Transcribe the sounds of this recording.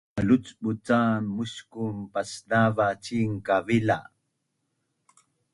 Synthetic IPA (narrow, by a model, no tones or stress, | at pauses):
alʊt͡sɓʊt͡saːnːʊskʊmpasnavat͡ʃiŋkavɪla